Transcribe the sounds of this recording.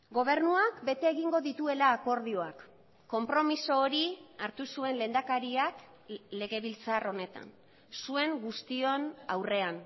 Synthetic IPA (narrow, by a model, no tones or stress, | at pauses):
ɡo̞β̞e̞ɾnuakbe̞t̪e̞ːɣiŋɡo̞ðit̪ue̞laːko̞ɾð̞io̞akː | o̞mpɾo̞miso̞ːɾiaɾt̪usue̞nlend̪akaɾiak | le̞ɣe̞βilt͡saro̞ne̞t̪a̰n | sue̞ŋɡust̪io̞nawre̞an